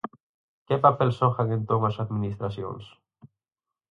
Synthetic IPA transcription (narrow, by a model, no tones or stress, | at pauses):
kepapelsoxɐŋent̪omɐsaðminist̪ɾɐsio̰ns